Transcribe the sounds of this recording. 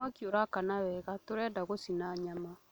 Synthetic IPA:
akjoɾakanaβɛɣatoɾɛdaɣosinaɲama

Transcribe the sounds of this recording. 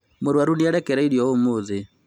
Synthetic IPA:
moɾwaɾuniaɾɛkɛɾaiɾjɔomoðe

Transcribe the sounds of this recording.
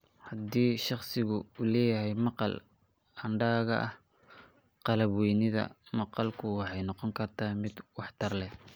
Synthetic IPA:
hɑd̪iːʃɑχsɪɣʊuːlɛːjɐɦɛjmɑqɑ̰l | ɐɳɖaːɣɐ̰ʔɐ̰h | qɑlɐβwɛjnɪðɐ̰mɑqɑlkʰʊwɑħɑjnɔqɔŋkʰɐrt̪ʰaːmɪd̪wɑħt̪ʰɐrlɛ

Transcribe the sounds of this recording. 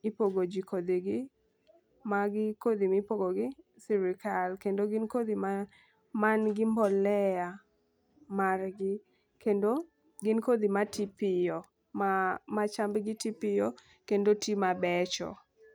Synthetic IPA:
ipoɡod͡ʒikod̪iɡɪ | maɡɪkod̪imipoɡoɡɪ | siɾɪkalkendoɡɪnkod̪ima | manɡɪmbɔlɛa | marɡɪ | kendo | ɡɪnkod̪imatipɪjɔ | mamat͡ʃambɡɪtipɪjɔ | kendotimabɛt͡ʃɔ̰

